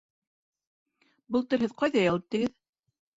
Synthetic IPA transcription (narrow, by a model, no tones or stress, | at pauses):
bɤlˠt̪ɤ̆ɾɦhɘðqɑjðɑjɑ̆lˠɤp̚t̪iɡɘð